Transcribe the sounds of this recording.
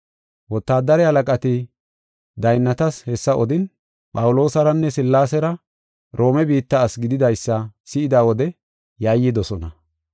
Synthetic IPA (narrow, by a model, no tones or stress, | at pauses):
wɔt̪ːaːd̪ɐɾɛhɐlɐkʼɐt̪ɪ | d̪ɐjnːɐt̪ɐshɛsːɐʔɔd̪ɪn | pʼɐwʊlo̞ːsɐɾɐnːɛsɪlːaːsɛɾɐ | ɾʔo̞ːmɛbiːt̪ːɐːsɡɪd̪ɪd̪ɐjsːɐsɪɪd̪aːwɔd̪ɛ | jaːjːɪd̪ɔsɔnɐ